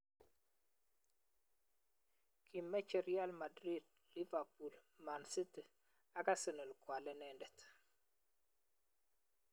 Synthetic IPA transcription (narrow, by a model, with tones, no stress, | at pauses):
kʰi˨mɛ˦t͡ʃɛ˨ɾia˦lma˨dɾi˦d̚ | li˦va˨pu˨lma˨nsi˦tə˨ | a˨ka˦sə˨nə˨lkwa˨lɛ˦nɛndɛ˨t